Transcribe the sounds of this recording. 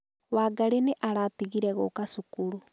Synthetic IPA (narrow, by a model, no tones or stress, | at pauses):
waːɡaɾeneʔaɾatiɣiɾɛɣokasukuɾu